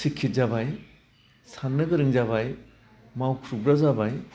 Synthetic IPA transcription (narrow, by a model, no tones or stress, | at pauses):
sikʰːit̚zabaj | sanːɯɡɯɾɯŋzaβaj | mawkʰɾubɾazabaj